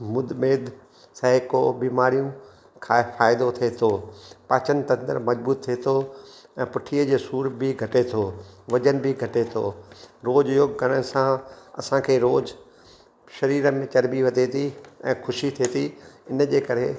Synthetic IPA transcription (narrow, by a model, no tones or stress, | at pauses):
mʊd̪meːd̪ | sɛɦɪkobiːmaːɾijũ | kʰaːfaːɪd̪ot̪ʰet̪ʰoːpaːt͡ɕən̆t̪ɐ̃nd̪ə̰ɾmɐd͡ʑbuːt̪ʰːet̪ʰoɛ̃ːpʊʈʰiːəd͡ʑeːsuːɾbɪɡʱɐʈet̪ʰoːʋɐd͡ʑənbɪɡʱɐʈet̪ʰoːɾoːd͡ʑjoːɡkɐɽ̃əɽsãɐ̰sãkʰeːɾoːd͡ʑ | ʃɐɾiːɾəmẽt͡ɕɐɾbiʋɐt̪et̪ʰiɛ̃ːxʰʊʃit̪ʰeːt̪iɪnəd͡ʑeːkɐɾɦe